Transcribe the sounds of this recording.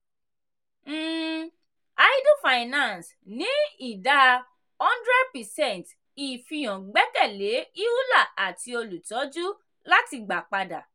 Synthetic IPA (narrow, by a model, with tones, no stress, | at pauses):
m̩ː˨ | a˦i˦do˦˨fa˨i˨nã˦˨ns | nĩ˨˦i˦˨da˦ | ɔ̃˦ndɾɛ˦d̚pɛ˨sɛ̃˦˨nt | i˨fĩ˧j̃ɔ̃˨ɡ͡bɛ˨˦kɛ˦˨le˨˦i˦u˦la˦˨a˨ti˧o˧lu˨tɔ˨˦d͡ʒu˦ | la˦ti˧ɡ͡ba˨k͡pa˧da̰˨